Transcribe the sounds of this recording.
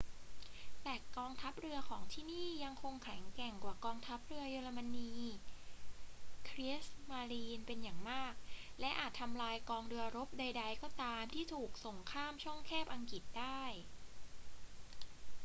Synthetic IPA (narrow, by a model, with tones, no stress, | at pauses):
t̪ɛː˨˩kɔː˧ŋt̪ʰa˦˥p̚ɾɯ˧ɐkʰɔː˩˦ŋt̪ʰiː˥˩niː˥˩ja˧ŋkʰo˧ŋkʰɛ˩˦ŋkɛ˨˩ŋkwaː˨˩kɔː˧ŋt̪ʰa˦˥p̚ɾɯ˧ɐjoː˧la˧ma˧niː˧ | kʰɾi˦˥smaː˧liː˧npe˧njaː˨˩ŋmaː˥˩k̚lɛ˦˥ʔaː˨˩t̪ʰːa˧mlaː˧jkɔː˧ŋdɯ˧ɐɾo˦˥p̚da˧jda˧jkɔː˥˩t̪aː˧mt̪ʰiː˥˩t̪ʰuː˨˩k̚so˨˩ŋkʰaː˥˩mt͡ɕʰɔ˥˩ŋkʰɛː˥˩p̚ʔa˧ŋki˨˩t̪̚daː˥˩j